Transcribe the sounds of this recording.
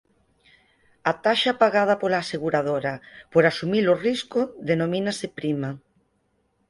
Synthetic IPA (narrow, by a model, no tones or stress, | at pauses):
at̪aʃapaɣað̞ɐpolaːseɣuɾaðoɾapoɾasumiloriskoðenominasepɾima